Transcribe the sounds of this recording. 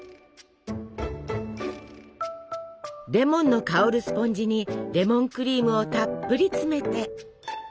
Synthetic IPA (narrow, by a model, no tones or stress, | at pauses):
ɾe̞mõ̞nːo̞kaoɾɯ̟sɨ̥põ̞ɲ̟d͡ʑiɲ̟iɾe̞mõ̞ŋkɯ̟ɾʲiːmɯ̟o̞t̪apːɯ̟ɾʲit͡sɨme̞t̪e̞